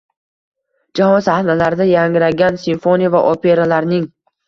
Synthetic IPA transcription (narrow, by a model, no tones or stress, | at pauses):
d͡ʒahɒnsahnalaɾɪd̪ajaŋɾaɡʲansinfonijavaʔope̞ɾalaɾnɪŋ